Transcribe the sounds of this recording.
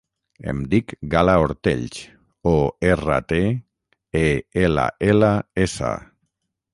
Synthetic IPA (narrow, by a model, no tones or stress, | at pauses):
ḛmd̪ikɡalaoɾt̪ḛʎt͡ʃ | oera̰t̪e | eela̰elaesa̰